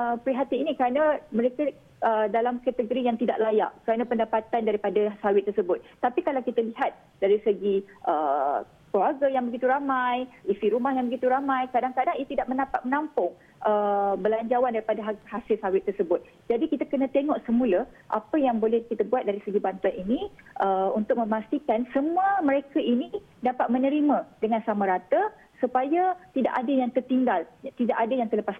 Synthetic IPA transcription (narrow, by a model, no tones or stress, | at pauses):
əpɾiɦat̪iinikɾanãmə̃ɾeka | ʔədalamkat̪əɡoɾijaŋt̪idaʔlaja̰ʔkəɾanãpəndapat̪andaɾipadasawɪt̪ːərsəbʊt̪̚ːapikalawkit̪aliɦat̪̚ | d̥aɾisəɡiʔə | kəluaɡajaŋbəɡit̪uɾamãjisiɾumahjaŋbəɡit̪uɾamãjkadaŋkadaŋiat̪idaʔmənapat̪̚mənampʊŋ | ʔəbəlaɲd͡ʒawandaɾipadaɦahasɪlsawɪt̪ːərsəbʊt̪̚ | d͡ʒadikit̪akənãt̪eŋɔʔsəmũla | ʔa̰pəjaŋbolɛhkit̪abuat̪̚daɾisəɡibant̪uaniniʔəunt̪ʊk̚mə̃mast̪ikansəmuəmə̃ɾekaʔini | dapat̪̚mə̃nəɾimãdəŋãnsamaɾat̪a | supajat̪ida̰ʔadajaŋt̪ərt̪iŋɡalt̪idaʔadajaŋt̪ərləpas